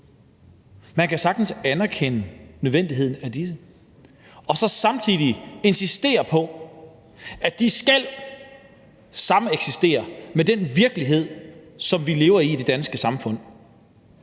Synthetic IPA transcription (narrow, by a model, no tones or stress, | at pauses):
mænkæsɑ̈ɡ̥d̥n̩sænɐkʰenənøðˠʋend̥iɦe̝ð̰ˠn̩æd̥is̬ə | ɒ̽sɒ̽sɑ̈mt͡sʰiðˠie̝nsisd̥e̝̰ːɐpʰɒ̽ | æd̥isɡ̥æl̰ | sɑ̈məeɡ̥sisd̥e̝̰ːɐmed̥enʋiɐɡ̥əliɦe̝ð̰ˠsɒ̽mʋile̝ːʊɐiːd̥e̝d̥ænsɡ̥əsɑ̈mfɔ̽n̰